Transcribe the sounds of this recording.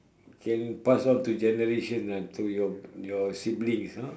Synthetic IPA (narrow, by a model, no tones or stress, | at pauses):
kʰɛ̃npasɔ̃nt̪ud͡ʒɛnəɾeʃə̃nãnt̪ujɔjɔsiblĩŋsa